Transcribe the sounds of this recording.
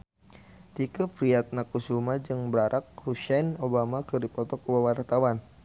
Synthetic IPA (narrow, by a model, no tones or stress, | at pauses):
t̪ikəfɾiat̪̚nakusumad͡ʒɨŋbɾaɾʔak̚huʃɛnobamakɨrdipɔt̪ɔkuwawart̪awan